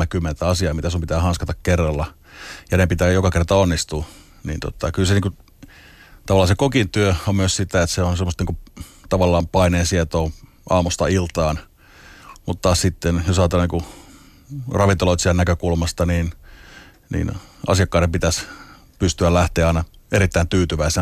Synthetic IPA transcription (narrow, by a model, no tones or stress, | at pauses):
ekymːent̪æɑsiɑːmit̪æsumpit̪æːhɑnskɑt̪ɑkkerːɑlːɑ | jɑnepit̪æːjokɑkert̪ɑonːist̪u | nḭːnt̪o̰t̪ɑkylseniːku | t̪ɑʋɑlːˑɑːsekokint̪yøommyøssit̪æet̪seonsemːost̪niːkut̪ɑʋɑlːɑːmpɑineːsiet̪oː | ʔɑ̰ːmust̪ɑilt̪ɑːn | mut̪ːɑːssit̪ːenjosɑːt̪elɑniːku | rɑʋint̪oloit̪siælnækøkulmɑst̪ɑniːn | nḭːnɑ̰siɑkːɑːˑɾempit̪æs | pyst̪yællæht̪eːɑˑinɑeɾit̪ːæint̪yːt̪yʋæise